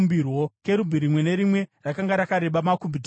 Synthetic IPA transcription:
mbirwo̞ke̞ɾubʱiɾimwe̞ne̞ɾimwe̞rakaŋɡaɾakaɾe̞ɓamakubʱid

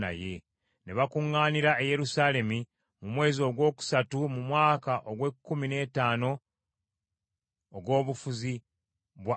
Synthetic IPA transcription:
na̰je̞ | neβakuŋːaːniɾaeje̞ɾusaːle̞mi | mumwe̞ːzio̞ɡwo̞ːku̥satumumwaːkaʔoɡwe̞kːumine̞taːno̞ | ɡwo̞ːβufuzi | βwa

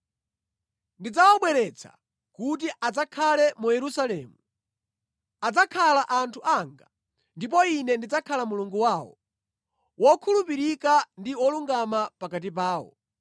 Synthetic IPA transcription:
ndid͡zawɔɓwɛɾɛt͡sʰa̰ | kut̬iʔad͡zakʰalɛmujɛɾusalɛːmu | ad͡zakʰalaʔantʰuʔaŋɡa | ndip̬ɔinɛndid͡zakʰalamuluŋɡuwawɔ̰ | wɔkʰulupiɾikandiɔluŋɡamapakat̬ip̬aːwɔ̰

